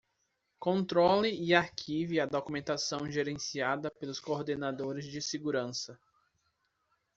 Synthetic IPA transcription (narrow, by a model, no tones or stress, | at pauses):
kõnt̪ɾolɪɪaɾkʰiviɐd̪okumẽnt̪asɐ̃w̃ʒeɾẽsiad̪ɐpelʊskoɾd̪enad̪oɾɪzd͡ʒɪseɡuɾɐ̃sɐ